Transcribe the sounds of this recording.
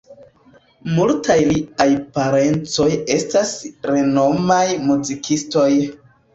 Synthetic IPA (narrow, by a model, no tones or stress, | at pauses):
multajliajpaɾe̞nt͡so̞je̞stasɾe̞no̞majmuzikʰisto̞j